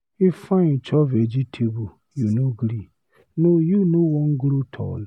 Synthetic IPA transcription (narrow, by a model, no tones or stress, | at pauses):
ɪfãit͡ʃʰɔved͡ʒitʰebu | junoɡɾi | nojunõwɔ̃ŋ̩ɡɾutʰɔ̰l